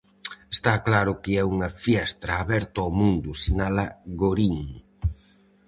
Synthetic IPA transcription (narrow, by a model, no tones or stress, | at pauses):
est̪aklaɾʊkɪɛuŋɐfjɛst̪ɾɐːβɛɾt̪oamũnd̪ʊsinalɐɣoɾiŋ